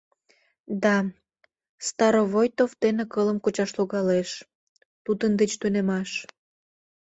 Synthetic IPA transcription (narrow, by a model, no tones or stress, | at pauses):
d̪ɑ | st̪ɑɾovojt̪ovd̪enekələmkot͡ɕɑʃloɣɑleʃ | t̪ud̪ənd̪et͡ɕt̪unemɑʃ